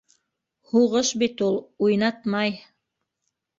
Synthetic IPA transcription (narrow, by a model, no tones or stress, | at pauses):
huʁɤʃbit̪ulˠujnɑt̪mɑj